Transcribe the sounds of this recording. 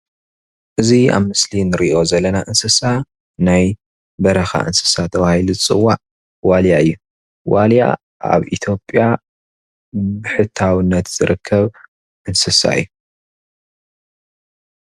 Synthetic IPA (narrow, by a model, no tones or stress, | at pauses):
ʔɨzia̰βmɨslinɨɾiʔo̞zɐlːɐnaʔɨnsɨsa | naj | bɐɾɐxa̰ʔɨ̰nsɨ̥sat̪ʰɐβahiluɨt͡sʼɨwːaʕ | waljaɨjːu | walja̰ | a̰βʔḭt̪ʰjo̞pʼja | bɨħɨt̪ʰːawɨnːɐt̪z̥ɨɾɨkʰːɐβ | ʔɨnsɨsa̰ɨ̰jːu